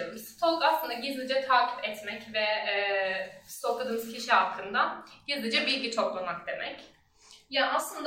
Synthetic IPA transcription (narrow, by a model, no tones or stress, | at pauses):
mst̪ʰolˠkaslˠɯnd̪aɟizlˠid͡ʒɛt̪ʰaːcʰi̥pɛt̪mɛcvɛ | st̪okʰad̪ɯːmɯz̥cʰiʃihakʰːɯnd̪aɟ̥izlʲˠid͡ʒɛbilʲcit͡ʃʰoklˠunak̚d̪e̞mɛ̰c | jaaslˠɯnd̪